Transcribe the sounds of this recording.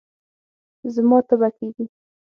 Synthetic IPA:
zmɑt̪abakeɡi

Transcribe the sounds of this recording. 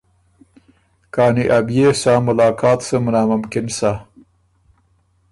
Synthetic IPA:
kɑːniʔabjesaːmʊlɑːkɑːt̪səmʊnɑːmʊmkɪnsa

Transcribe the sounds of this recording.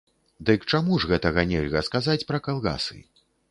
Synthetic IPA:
d̪ɨkt͡ʂamuʐɣɛt̪ɐɣɐnʲɛlʲɣɐskazat͡sʲpɾɐkalˠɣa̰sɨ̰

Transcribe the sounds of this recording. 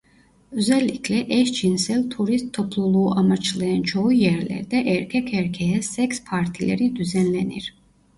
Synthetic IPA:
øzɛlːikʰlɛʔɛʃd͡ʒinsɛlt̪ʰuɾist̪ʰːɔpʰlˠulˠuːʔamat͡ʃʰlˠajant͡ʃʰoujɛɾlɛ̰ɾd̪ɛʔɛɾkʰɛkʰɛɾkʰɛjɛsɛkspʰaɾt̪ʰilɛ̰ɾid̪yzɛnlɛnḭɾ

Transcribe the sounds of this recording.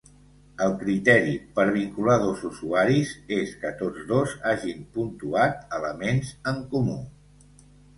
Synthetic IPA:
əlˠkɾit̪ɛɾipəɾβ̞iŋkulaðozuzuaɾizeskət̪od͡zðozaʒimpunt̪uat̪ələmenzəŋkumṵ

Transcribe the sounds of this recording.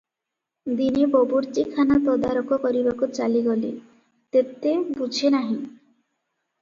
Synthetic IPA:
d̪inebobuɾt̪ikʰanat̪ɔd̪aɾokɔkɔɾibakut͡ʃaliɡɔlḭ | t̪et̪ebud͡ʒʱenaɦĩ

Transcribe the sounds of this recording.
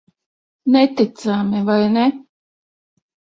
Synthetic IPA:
nɛt̪it̪samivajnɛ

